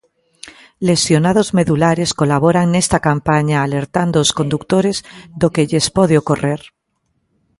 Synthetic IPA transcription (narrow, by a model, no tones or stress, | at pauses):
lesjonaðozmeðulaɾeskolaβoɾaŋnest̪akampaɲaːleɾt̪and̪oːskond̪uk̚t̪oɾezðokeʎespɔð̞eokoreɾ